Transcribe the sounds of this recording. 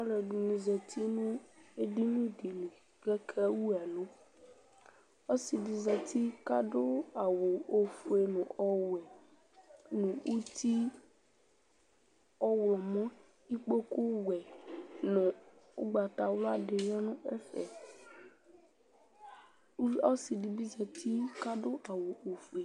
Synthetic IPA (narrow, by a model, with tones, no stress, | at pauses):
ɔ̃˦lɛ˨ɖu˨nĩ˨zɛ˨t̪ʰi˦nũ˦e˦ɖi˦nũ˦di˨nũ˨ | ɡɛ˦kʰɛ˦wu˦a˨lo˦ | o˦si˨di˨zɛ˨t̪i˦ka˦ɖo˦a˨wo˨o˦fu˨e˨nũ˨ʔɔ˦wɛ˨ | nũ˨ʔu˦t̪i˦ | ɔ˦wlɔ˨mɔ̃˦ | i˦k͡po˦ku˦wɛ˨nɛ̃˨u˦ɡ͡ba˨t̪a˨wla˦ɖe˨jɔ˦nũ˦ɛ˦fɛ̰˨˦ | ɔ˦si˨di˨bi˦zɛ˨t̪ʰi˦ka˦ɖo˦ʔa˨wo˨ʔo˨fu˨e˨